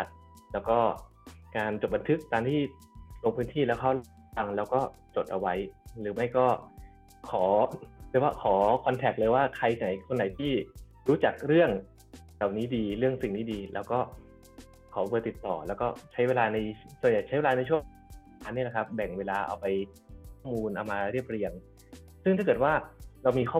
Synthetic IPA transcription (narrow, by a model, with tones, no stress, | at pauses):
t̪̚ | lɛː˦˥wkɔː˥˩ | kaː˧nt͡ɕo˨˩t̪̚ba˧nt̪ʰɯ˦˥k̚ːaː˧nt̪ʰiː˥˩ | lo˧ŋpʰɯː˦˥nt̪ʰiː˥˩lɛː˦˥wkʰa˦˥˩wl | a˧ŋlɛː˦˥wkɔː˥˩ | t͡ɕo˨˩t̪̚ʔa˧wa˦˥jɾɯː˩˦ma˥˩jkɔː˥˩ | kʰɔː˩˦ɾɯ˧˩waː˥˩kʰɔː˩˦kʰɔ˧nt̪ʰɛ˨˩k̚lɤː˧jwaː˥˩kʰa˧jka˨˩˦jkʰo˧nːa˨˦jt̪ʰiː˥˩ | ɾuː˦˥t͡ɕa˨˩k̚ɾɯ˥˩əŋ | ɾa˨˩wniː˦˥diː˧ɾɯ˥˩əŋsi˨˩ŋniː˦˥diː˧lɛ̰ː˦˧˥wkɔː˥˩ | kʰɔː˩˦bɤː˧t̪i˨˩t̪ːɔ̰ː˨˩lɛː˦˥wkɔː˥˩t͡ɕʰa˦˥jweː˧laː˧na˧jsu˨˩nja˨˩jt͡ɕʰa˦˥jweː˧lːna˧jt͡ɕʰu˥˩ə˨ | aː˦˥nːi˥˩la˨˩kʰp̚bɛ˨˩ŋweː˧laː˧ʔa̰˧wpa˧jʰ | kʰɔː˥˩muː˧nʔa˧wmaː˧ɾi˥˩əp̚ɾi˧əŋ | sɯ˥˩ŋt̪ʰa˥˩kɤː˨˩t̪̚waː˥˩ɾa˧wmiː˧kʰɔː˥˩